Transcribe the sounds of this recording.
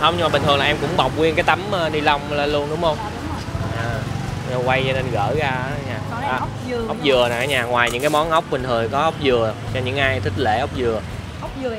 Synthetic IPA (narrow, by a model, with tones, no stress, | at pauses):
hə˧ŋ͡mɲɨ˧maː˨ɓï̟˨˩t̪ɨ˨˩ŋlaː˨ʔɛ˧mkʊ̰˧˥ŋ͡mɓa˨˩wk͡p̚kwi˧ənkaː˨˦jt̪a˨˦məː˧ɗi˧la˧wŋ͡mlaː˧˩lu˧ənɗʊ˨˦ŋ͡mhə˧wŋ͡m | ʔaː˨˩ | ə˨˩kwa˧jt͡ɕɔ˧ne˧nɣə̰ː˧˩ɣaː˧˦ɲaː˨˩ | ʔaː˨˩˨ | ʔə˦˥wk͡p̚zɨ˨˩ənɔ˨˩ʔaː˨˦ɲaː˨˩ŋwaː˨˩jɲɨ̰˧˥ŋkaː˨˦jmɔ˨˦nʔə˦˥wk͡p̚ɓï˨˩ŋ̟t̪ʰɨ˨˩jkɔ˨˦ʔə˦˥wk͡p̚zɨ˨˩ət͡ɕɔ˧ɲɨ̰˧˥ŋʔaː˧jt̪ʰï˦˥k̚lḛ˧˩ʔə˦˥wk͡p̚zɨ˨˩ə˩